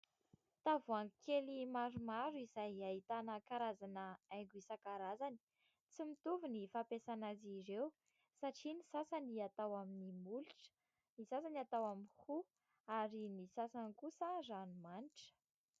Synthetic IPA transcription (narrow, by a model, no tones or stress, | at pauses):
t̪avuaŋkʰelimaɾumaɾuizajaɦit̪anəkaɾazanəajɡuisakaɾazani̥ | t͡simit̪uvunifapesanaziɾew | saʈ͡ʂinisasaniat̪awaminimulʈ͡ʂ | nisasaniat̪awaminhu | aɾinisasankusəzanumaniʈ͡ʂə̥